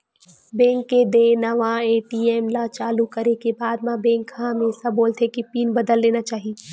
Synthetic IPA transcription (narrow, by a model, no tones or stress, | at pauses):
bɛ̃ːŋkːed̪enɐʋãeːʈiɛːmlat͡ʃaːlukɐɾekebaːd̪mãbɛ̃ːŋkhãmẽsɐbːoːlt̪ʰekipiːnbɐd̪əlːeːnat͡ʃaːɦie